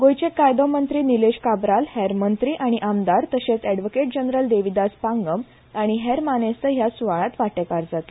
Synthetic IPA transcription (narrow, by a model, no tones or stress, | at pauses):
ɡojt͡ɕekajd̪ɔmənt̪ɾiːnileɕkabɾalhɛɾmənt̪ɾiːʔaɽ̃iʔamd̪aɾt̪əɕet͡sɛɽʋokeʈ̚d͡ʑənɾəld̪eʋid̪aspaŋɡəm | aɽ̃iɦɛɾmanest̪əɦjasuʋaɭat̪ʋaʈekaɾd͡zat̪e